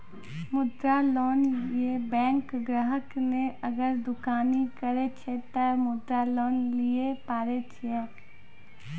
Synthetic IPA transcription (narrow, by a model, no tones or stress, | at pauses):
mʊd̪ɾaloːnjjebɛ̃ːŋkɡɾəɦəkneɐɡəɾd̪ʊkaːnikəɾet͡ʃʰet̪əmʊd̪ɾaloːnliepaːɾet͡ʃʰɛː